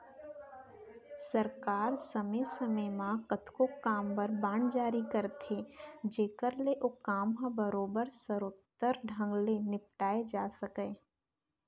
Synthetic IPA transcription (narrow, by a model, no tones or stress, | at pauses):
sɐɾkaːɾsɐmesɐməmãkɐt̪ʰkokaːmbəɾbãːɳd͡ʒaːɾikɐɾt̪ʰed͡ʒeːkəɾleʔokaːmɦãbəɾoːbəɾsəɾʊt̪ːəɾɖʱɐ̃ŋɡlenɪp̚ʈaːed͡ʒaːsɐkẽː